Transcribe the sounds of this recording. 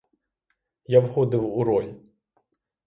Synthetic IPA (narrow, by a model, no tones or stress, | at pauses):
jawxɔd̪ɨwuɾɔlʲ